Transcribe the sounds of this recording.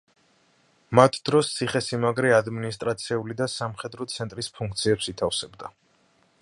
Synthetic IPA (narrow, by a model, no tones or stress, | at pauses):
mat̪ʰd̪̥ɾɔst̪sʰiχɛsimaɡɾɛad̪minist̪ʼɾat̪sʰɛulid̪asamχɛd̪ɾɔt̪sʰɛnt̪ʼɾispʰuŋkʰt̪sʰiɛpsit̪ʰafsɛbd̪a